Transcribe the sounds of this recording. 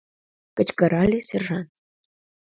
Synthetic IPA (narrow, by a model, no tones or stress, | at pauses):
kə̆t͡ɕkə̆ɾɑlʲisʲerʐɑnt̪